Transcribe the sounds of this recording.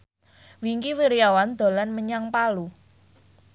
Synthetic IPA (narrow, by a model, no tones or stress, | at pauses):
wiŋkiwiɾijawand̪̥o̤lanməɲaŋpalu